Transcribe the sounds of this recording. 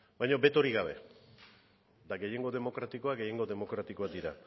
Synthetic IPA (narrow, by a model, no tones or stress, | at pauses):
bajɲobe̞t̪o̞ɾiɣaβe̞̰ | d̪aɡe̞je̞ŋɡo̞ðe̞mo̞kɾat̪iko̞aɡe̞je̞ŋɡo̞ðe̞mo̞kɾat̪iko̞ad̪iɾa̰